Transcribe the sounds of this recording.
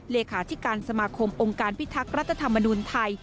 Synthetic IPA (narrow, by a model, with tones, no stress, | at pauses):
leː˧kʰaː˩˦t̪ʰi˦˥kaː˧nsa˧maː˧kʰo˧mʔo˧ŋkaː˧npʰi˦˥t̪ʰːa˦˥k̚ɾa˦˥t̪ʰːa˧t̪ʰa˧mːa˧nuː˧nt̪ʰa˧j